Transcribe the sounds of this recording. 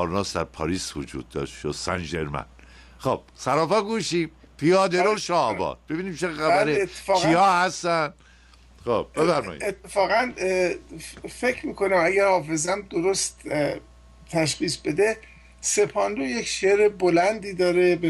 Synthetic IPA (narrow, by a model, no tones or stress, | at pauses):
ɒɾnɒːsd̪æɾpʰɒːɾiːsvod͡ʒṵːd̪̚ːɒ̰ːʃʃod̪̥sæ̰nd͡ʒeɾmæ̰n | χob̥̚sæɾɒːfæɡuːʃiːm | pʰijɒːd̪eɾoʃɒbɒ̰ːd̪b̥e̞biːniːmt͡ʃʰexæbæɾet̪ʰːe̥fɒːɣpiɒːhæst̪ænd̪̥ | χob̥̚b̥efæɾmɒ̰ːjḭet̪ʰːefɒːɣæn | fe̞cʰɾmiːkʰonæmæɡæɾhɒːfe̞zæmd̪oɾost̪ | t̪ʰæʃ̬χiːsbe̞d̪e | se̞pʰɒnd̪ojecʃeɾebolænd̪iːd̪ɒːɾebe